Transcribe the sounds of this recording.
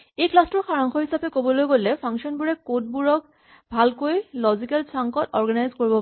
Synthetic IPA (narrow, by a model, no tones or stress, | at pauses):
ejklastɔɹxaɹɔŋxʰɔɦisapɛkobɔlojɡolɛpʰaŋʃɔnbuɹɛkot̚buɹɔk | bʱalkojlɔzikalsaŋkɔtɔɹɡanajzkoɹibɔ